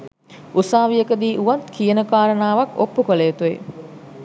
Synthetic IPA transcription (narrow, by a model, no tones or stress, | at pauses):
usaːʋijəkəd̪iːʔuʋat̪kijənəkaːɾənaːʋakopːukolejːt̪uḛ